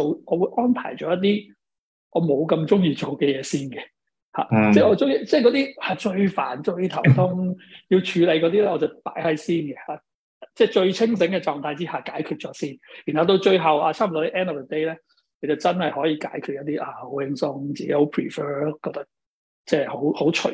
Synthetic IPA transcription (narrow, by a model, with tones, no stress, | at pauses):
o˨wɔː˨˧wu˨˧jʔɔː˥npʰa̰ː˨˩jt͡ʃɔː˨˥jɐ˥t̚t̪iː˥ | ʔɔː˨˧mo˨˧wkɐ˧mt͡ʃʊ˥ŋjiː˨t͡ʃo˨wkɛ˧jɛː˨˧siː˥nɡɛ˧ | ha̰ː˨˩t͡sɛː˥˩ɔː˨˧t͡sʊ˥ŋji˨˩t͡sɛː˥˩jkɔ˨˧t̪iː˥aː˨˧˩t͡ʃɵ˧ɥfaː˨˩nt͡ʃɵ˧ɥt̪ʰɐ˨˩wt̪ʰʊ˥ŋji˧wt͡ʃʰyː˨˧le˨˧jkɔː˨˧t̪i˥ɛː˥ʔɔː˧t͡sɐ˨˩wt̪a̰ː˨˥jhɐ˨˥jsiː˥nkɛ˧haː˨˩ | t͡sɛː˥˩t͡ʃɵ˧ɥt͡sʰɪ˥ŋsɪ˨˥ŋkɛ˧t͡ʃɔː˨ŋt̪ʰaː˧jt͡siː˥haː˨kaː˨˥jkʰyː˨˧t̚t͡ʃɔː˨˥siː˥njy˨nhɐ˨wt̪̬o˧wt͡ʃɵ˧ɥɦɐ˨˩wʔaː˧t͡sʰaː˥m˨˩t̪ɔ˨˥t̪i˥ʔɛː˥nɔː˨fə˨d̪e˥jlɛː˥ | kʰɵ˨˧jt͡sɐ˨˩wt͡sɐ˥nhɐ˨jhɔː˨˥jiː˧kaː˨˥jkʰy˨t̚jɐ˥t̚t̪iː˥ʔaː˧˩ho˨˥wɪ˧˥ŋsʊ˧ŋt͡siː˨ke˨˦˥jho˨˧wpʰɹiː˨˩fɜː˥kɔː˧k̚t̪ɐ˥k̚ | t͡sɛː˥˩ho˨˥who˨˥wt͡ʃʰɵ̰˨˩